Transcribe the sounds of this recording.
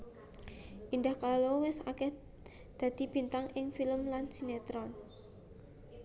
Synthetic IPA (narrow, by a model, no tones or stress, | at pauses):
ʔind̪ahkalowɪsakɛh | d̪̥a̤d̪̥i̤b̥i̤nt̪aŋʔɪŋfiləmlansinet̪ɾɔn